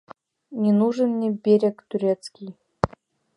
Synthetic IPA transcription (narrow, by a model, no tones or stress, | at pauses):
nʲɪnuʐɨnːʲɪbʲeɾʲekt̪ʲʊɾʲet̪skʲij